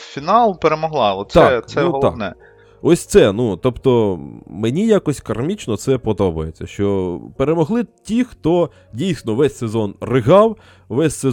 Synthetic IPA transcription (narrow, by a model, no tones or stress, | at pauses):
fʲinɑlˠpeɾemɔɦlˠɑlˠɔsɑɛkt̪nɛuɦɔlˠɑ̰nɛ̰ | ɔsʲt̪sɛnut̪ɔpt̪ɔmenʲijakɔsʲkɐrmʲit͡ʃnɔt̪sɛpɔd̪ɔbɐjet͡sʲːɐ̰ʃt͡ʃɔpeɾemɔɦlˠɪtʲixt̪ɔ | dʲijsʲnɔʋɛsʲsezɔnrɪɦɑw | ʋɛsʲse